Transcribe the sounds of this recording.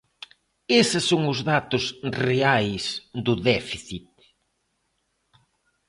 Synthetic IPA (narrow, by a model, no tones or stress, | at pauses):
esɪsːoŋʊzðat̪ʊsreajsd̪ʊðɛfiθit̪̚